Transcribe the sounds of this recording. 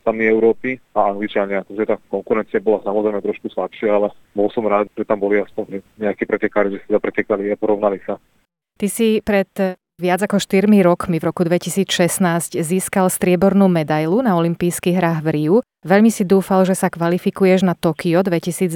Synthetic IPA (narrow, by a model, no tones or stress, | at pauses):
t̪amiɛʊɾɔːpiaaŋɡlit͡ʃaɲɪat̪ɔmʒɛt̪aːkɔŋkuɾɛnt͡siabɔlasamɔzɾɛɪjmɛt̪ɾɔʃkuslapʃɪaalɛbɔlsɔmɾaːd̪ʒ̥ɛt̪ambɔliaspɔɲɾɛɲɛakiːpɾɛcɛkaːɾiʒɛsit̪ɛd̪apɾɛcɛkaliapɔɾɔʊnalisa | t̪isipɾɛt̪ | ʋɪad͡zakɔʃt̪iɾmiɾɔkmivɾɔkud̪ʋɛcisiːt͡sʃɛsnaːzcziːskalst̪ɾɪɛbɔɾnuːmɛd̪ajlunaɔlimpiːskiːɣɦɾaːɣʋɾiu | ʋɛʎmisid̪uːfalʒɛsakʋalifikujɛʒnat̪ɔkiɔd̪ʋɛcisiːd͡z